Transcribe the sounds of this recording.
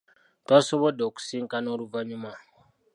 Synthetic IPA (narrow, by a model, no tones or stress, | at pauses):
tɔsobɔdɔku̥siŋ̩kanoɾuvaɲuma